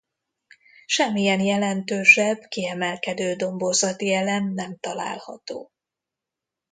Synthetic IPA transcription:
ʃɛmːijɛnjɛlɛnt̪øːʃɛbkiɛmɛlkɛd̪øːd̪o̞mbo̞zɒt̪iɛlɛmnɛmt̪ɒla̰ːlhɒt̪o̰ː

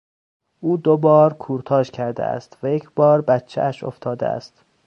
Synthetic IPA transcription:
ʔuːd̪obɒːɾkʰuːɾt̪ʰɒːʃcʲʰæɾd̪ḛʔæ̰st̪væjecʰb̥ɒːɾbæt̪t͡ʃʰːḛʔæʃo̰ft̪ʰɒːd̪ḛæ̰st̪

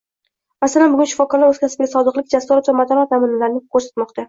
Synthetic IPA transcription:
masalanbʊɡʲʊnʃɪ̥fɒkɒɾlaɾɵzkʲʰasɪbʲɪɡʲasɒd̪ɨqlɪkʲd͡ʒasɒɾat̪vamat̪ʰɒnɒt̪ʰːamɪnɪlaɾɪnɪkʰoɾsḁt̪mɒqt̪ʰa

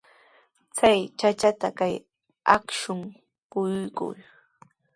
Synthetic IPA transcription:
t͡sajt͡ʃat͡ʃat̪akaj | akʃʊŋ | pʊjʊjkʊ̰j

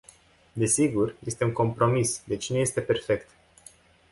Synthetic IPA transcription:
d̪e̞siɡurje̞st̪e̞uŋko̞mpɾo̞misd̪e̞t͡ʃneje̞st̪e̞pe̞rfe̞kt̪

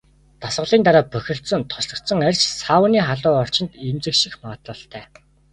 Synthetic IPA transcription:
t̪asɢə̆ɮiːnt̪aɾaːpœxʲɪ̆ɬt̪sɞ̆nt̪ʰɔ̥sɮɞ̆kt̪sə̆ŋærʲt͡ɕsaːwəniːχaɮʊːɔr̥t͡ɕɪ̆nt̪emt͡sɘ̆kʃĭxmaʁə̆t̪ə̆ɬt̪ʰæː

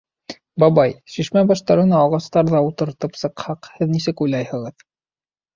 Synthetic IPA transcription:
bɑβɑjʃiʃmæbɑʃt̪ɑɾɤ̆nɑːʁɑst̪ɑɾðɑut̪ɤ̆ɾt̪ɤpsɤ̆qhɑqhɘðnisɘkujlɑjhɤ̆ʁɤð

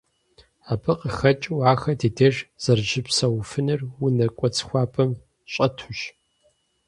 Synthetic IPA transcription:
aːpʰɨqʼəxɐt͡ʃʼwaːxɐdeːdeːʒz̥ɐrʒɪpsɐwfɨnɨrwʊnɐkʷʼɔt͡sʰʼxʷɑːpʰʼɐm | ɕʼɐtʰʊɕ

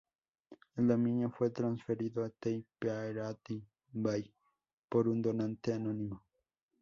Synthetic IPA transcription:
end̪amĩɲafwet̪ɾãnsfeɾiðoet̪ejpeaeɾat̪i | mbaj | poɾund̪onãnt̪eanõnĩmo

